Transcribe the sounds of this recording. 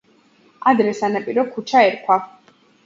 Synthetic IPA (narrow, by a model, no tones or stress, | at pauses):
ad̪ɾɛsanapʼiɾɔkʰut͡ʃʰaɛɾkʰwa